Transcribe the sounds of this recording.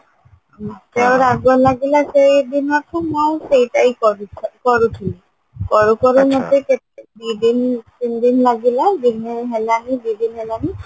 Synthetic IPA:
tɛʊ̃ɹaɡɔlaɡilasejdinakʰɔmɔjsejtaikɔkɔɹukʰili | kɔɹukɔɹumɔtekɛtdidintindinlaɡiladinɛɦɛlanibidinɦɛlani

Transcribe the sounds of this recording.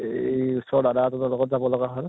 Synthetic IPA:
ejusɔɹdadatɔtalɔkɔt̚zabɔlɔɡaɦɔɹ

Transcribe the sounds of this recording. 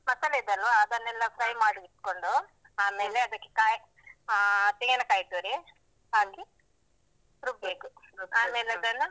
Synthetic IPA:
mɐt̪ːɐlid̪ɐloɐd̪ɐnːɛlːɐpɾɐjmaːɽuiʈ̪koɳɖu | aːme̞ːleɐd̪ɐkːe̥kaːj | t̪iŋɡɐnɐkaːjit̪uːɾi | aːɡi | ɾubeːkuaːmeːleɐd̪ɐlːɐ

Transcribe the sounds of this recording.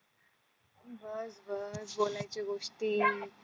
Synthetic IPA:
bəsbəsbolajt͡ɕiɡoʂʈiː

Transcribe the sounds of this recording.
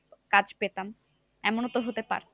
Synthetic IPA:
kad͡ʑpet̪am | ɛmonot̪oɦot̪epa̰ɾʰ

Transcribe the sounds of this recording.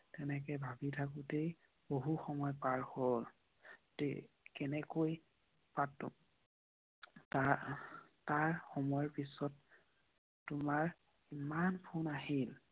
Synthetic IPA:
tɛnɛkɛbʱabitʰakutej | boɦuxɔmɔjpaɹhol | tḛ | kɛnɛkoj | pat | ta | taɹxɔmɔjɔɹpisɔtː | ʊmaɹ | imanpʰunaɦil

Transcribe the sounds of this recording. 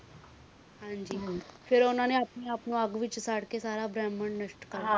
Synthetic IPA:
hãɲd͡ʑiːfeɾonaneapniapnoaɡʋiːt͡ɕsaɽkesaɾabɾaməɳɖnəʂʈka

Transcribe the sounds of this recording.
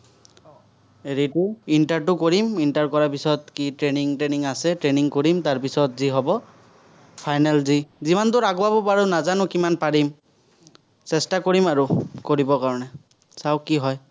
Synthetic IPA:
eɹitʊintaɹtʊkoɹimintaɹkɔɹapisɔt̚kitɹeniŋtɹeniŋasɛtɹeniŋkoɹimtaɹpisɔtziɦɔbɔ | pʰajnalzizimantʊɹaɡɔwabɔpaɹunazanʊkimanpaɹim | sɛstakoɹimaɹukoɹibɔkaɹɔnɛ | sawkiɦɔj

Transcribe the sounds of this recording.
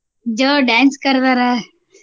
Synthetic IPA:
d͡ʒoːɖãːnskəɾd̪aɾa

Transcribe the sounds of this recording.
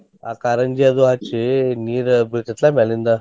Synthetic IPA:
a̰kaɾənd͡ʑijad̪uɦat͡ɕiniːɾbikət̪lamɛlind̪a

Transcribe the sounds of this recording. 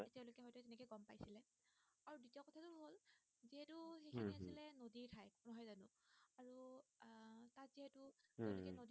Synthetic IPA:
etiɛ̃lojkɛɦɔjtɔzɛnɛkɔjɡɔmpajsilɛ | aɹudutakɔtʰatʊɦol | ziɦɛtʊxejiiasilɛnodiɹtʰajknɔɦɔjzanʊaɹu | tatz̥iɦɛtʊɛnɛkɛnodi

